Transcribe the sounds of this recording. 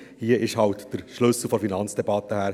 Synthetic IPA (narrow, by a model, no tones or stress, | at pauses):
hiəʔɪʃhɑwt̪d̥əɾʃlɵsl̩fɔɾfinɑnt͡ssd̥ebɑt̪ːəhæːɾ